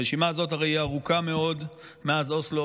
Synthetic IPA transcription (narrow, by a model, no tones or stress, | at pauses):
eʃimazo̞taʁejiaʁukame̞o̞d̪ | meazo̞slo